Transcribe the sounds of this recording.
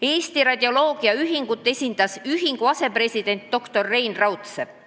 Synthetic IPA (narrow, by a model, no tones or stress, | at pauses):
e̞ːsʲt̪iɾɑd̪ʲeo̞lo̞ːɡ̥iɑyɦiŋɡ̥ut̪ˑːe̞sʲind̪̥ɑsyɦiŋɡ̥uɑse̞pre̞sʲid̪̥e̞nt̪ːo̞kt̪o̞rːe̞jnrɑwt̪se